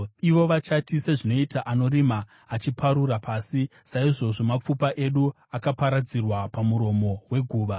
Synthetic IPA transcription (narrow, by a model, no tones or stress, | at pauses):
iʋo̞ʋat͡ʃatise̞ʐino̞itaʔano̞ɾimaː | t͡ʃipʰaɾurapʰaːsisaiʐo̞ʐo̞map͡fupaʔe̞ɗu | akapaɾad͡zirwapamuɾo̞mo̞we̞ɡʱuːʋa